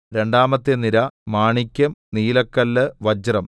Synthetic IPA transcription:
ɾe̞ɳɖaːmɐt̪ːeniɾɐmaːɳikʲːɐmniːlɐkːɐlːɨʋɐd͡ʑɐrɐm

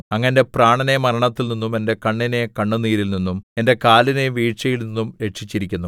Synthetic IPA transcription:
ɐŋːɐnde̞praːɳɐne̞mɐɾɐɳɐt̪ːilninːume̞nde̞kɐɳːine̞kɐɳːuniːɾilninːume̞nde̞kaːline̞ʋiːʈʂɐjilninːumɾe̞ʂit͡ɕːiɾikʲːunːu

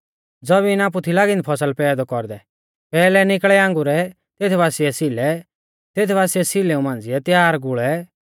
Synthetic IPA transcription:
d͡zɔbiɪnaːp̬ut̪ʰilaːɡɪ̃nd̪ipʰɔsəlpɛːd̪ɔkɔɾd̪ɛ | pɛːlɛnɪkɭɛãːŋɡuɾɛ | t̪eːt̪ʰɛbaːsiɛsilɛ | t̪eːt̪ʰɛbaːsiɛsɪleːũmãːnd͡zɪɛt̪jaːɾɡʊɭɛ

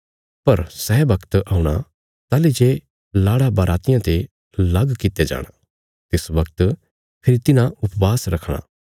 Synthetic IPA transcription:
pɐɾsɛːbɐkt̪aːuɽ̃a̰ | t̪aːled͡ʒe | laːɽabɐɾʔaːt̪ɪjãt̪e | lɐɡkɪt̪ed͡ʒa̰ːɽ̃a | t̪ɪsbɐkt̪ | pʰɪɾit̪ɪnãʊpbaːsɾɐkʰɽ̃a̰

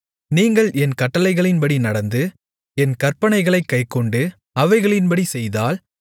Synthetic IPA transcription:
niːŋɡɐɭɛnkɐʈːɐlɐɪɣɐɭɪnpɐɽinɐɽɐnd̪ɯ | ɛnkɐrpɐɳɐɪɣɐɭɐɪkːɐɪkːɔɳɖɯ | ɐʋɐɪɣɐɭɪnpɐɽisɛjðaːl

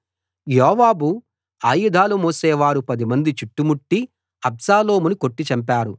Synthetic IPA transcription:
jɔːʋaːbu | aːjud̪ʱaːlumɔːsɛːʋaːɾupɐd̪imɐnd̪it͡ʃiʈːumuʈːi | ɐbsaːlo̞ːmuniko̞ʈːit͡ʃɐmp̬aːɾu

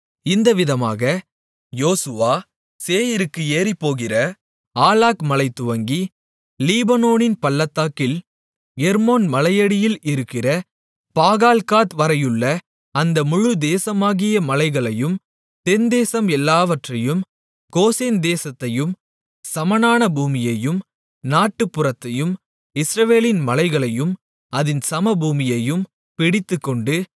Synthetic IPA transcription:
ɪnd̪ɐʋɪðɐma̰ːɣɐ | joːsɯʋaː | seːjɪɾɯkːɯeːripːoːɣɪrɐ | aːlaːkmɐlɐɪt̪ːʊʋɐŋɡi | liːbɐnoːnɪnpɐlːɐt̪ːaːkːɪl | ɛɾmoːnmɐlɐjɐɽɪjɪlɪɾɯkːɪrɐ | paːɣaːlkaːt̪ʋɐɾɐjɯɭːɐ | ɐnd̪ɐmʊɻɯd̪eːsɐmaːɣɪjɐmɐlɐɪɣɐɭɐjɯm | t̪ɛnd̪eːsɐmɛlːaːʋɐʈrɐjɯm | ɡoːseːnd̪eːsɐt̪ːɐjɯm | sɐmɐnaːnɐbuːmɪjɐjɯm | naːʈːɯpːɯrɐt̪ːɐjɯm | ɪsɾɐʋeːlɪnmɐlɐɪɣɐɭɐjɯm | ɐðɪnsɐmɐbuːmɪjɐjɯm | pɪɽɪt̪ːɯkːɔɳɖɯ

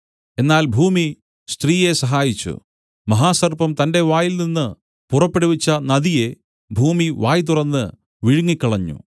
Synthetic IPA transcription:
e̞nːaːlbʱuːmi | st̪riːje̞sɐɦaːjit͡ɕːṵ | mɐɦaːsɐrpɐmt̪ɐnde̞ʋaːjilninːɨ | purɐpːeɽuʋit͡ɕːɐnɐðije̞ | bʱuːmiʋaːjt̪̬urɐnːɨ | ʋiɻuŋːikʲːɐɭɐɲːṵ

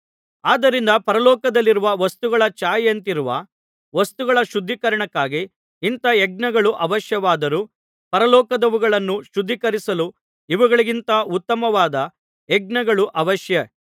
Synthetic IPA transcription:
aːd̪ɐɾind̪ɐpɐɾɐlɔːkɐd̪ɐlːiɾuʋɐʋɐst̪uɡɐɭɐt͡ʃaːjɐnt̪iɾuʋɐ̰ | ʋɐst̪uɡɐɭɐʃud̪ʱːikɐɾɐɳɐkːaːɡi | int̪ɐɛɡ̚ɳɐɡɐɭuʔɐʋɐʃjɐʋaːd̪ɐɾu | pɐɾɐlɔːkɐd̪ɐʋuɡɐɭɐnːuʃud̪ʱːikɐɾisɐlu | iʋɐɡɐɭiɡint̪ɐut̪ːɐmɐʋaːd̪ɐ | eɡ̚ɳɐɡɐɭuʔɐʋɐʃjɐ

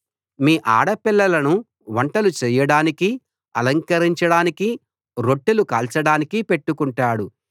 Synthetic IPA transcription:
miːʔa̰ːɽɐpilːɐlɐnu | ʋɐɳʈɐlut͡ʃɛːjɐɽaːniki | ɐ̰lɐŋkɐɾiɲt͡ʃɐɽaːniki | ɾo̞ʈːulukaːlt͡ʃɐɽaːnikipe̞ʈːukuɳʈaːɽu

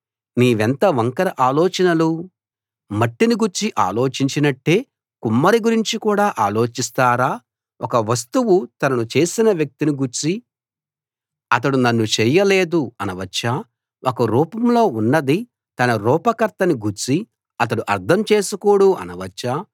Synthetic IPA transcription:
niːʋent̪ɐʋɐŋkɐɾɐʔaːloːt͡ʃɐnɐlu | mɐʈːiniɡuɾt͡ʃiʔa̰ːlo̞ːt͡ʃiɲt͡ʃinɐʈːeː | kumːɐɾiɡuɾiɲt͡ʃikuːɽaːʔaːlo̞ːt͡ʃist̪aːɾaː | ʔɔkɐʋɐs̬t̪uwut̪ɐnɐnut͡ʃe̞ːsinɐʋjɐk̚t̪iniɡuɾt͡ʃi | ɐt̪̬ɐɽunɐnːut͡ʃɛjɐle̞ːd̪uɐnɐʋɐt͡ʃːaː | ʔokɐɾuːpɐmlo̞ːunːɐd̪i | t̪ɐnɐɾuːpɐkɐɾt̪ɐniɡuɾt͡ʃi | ɐt̪̬ɐɽuʔɐɾd̪ʰʱɐmt͡ʃeːsukoːɽuɐ̰nɐʋɐt͡ʃːaː

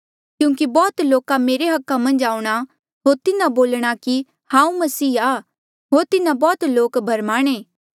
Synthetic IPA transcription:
kjũːŋkibɔːt̪loːkameːɾeɦɐkːamɐ̃nd͡ʒaːuɽ̃a | ɦoːɾt̪ɪnãboːlɽ̃aki | hãːũmɐsiːaː | ɦoːɾt̪ɪnabɔːt̪loːkbʱɐɾmaːɽ̃eː

